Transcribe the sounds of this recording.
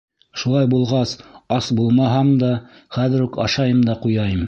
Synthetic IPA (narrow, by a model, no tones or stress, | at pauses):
ʃulˠɑjbulˠʁɑsɑsbulˠmɑɦɑmd̪ɑ | χæðɘ̆ɾukɑʃɑjɤmd̪ɑqujɑjɤm